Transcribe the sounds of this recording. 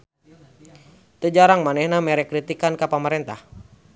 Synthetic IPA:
t̪əd͡ʒaɾaŋmanɛhnamɛɾɛkɾit̪ikankapaməɾɛnt̪ah

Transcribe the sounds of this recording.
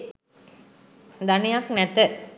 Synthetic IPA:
d̪ɐnɪjaːknɛt̪ːə

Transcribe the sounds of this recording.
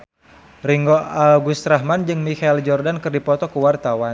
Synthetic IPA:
riŋɡɔaɡust̪ɾaɦmand͡ʒɨŋmikaild͡ʒɔrdankɨrdipɔt̪ɔkəwart̪awa

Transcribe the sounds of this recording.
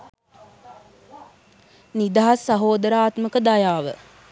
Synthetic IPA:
nid̪aɦasːɐɦoːd̪əɾaːt̪məkəd̪ajaːʋə

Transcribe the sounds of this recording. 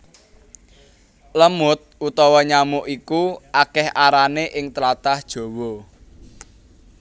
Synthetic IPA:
ləmʊt̪̚ut̪ɔwɔɲamʊʔikuakɛhʔaɾaneʔɪŋt̪lat̪ahd̥ʒ̥o̤wɔ

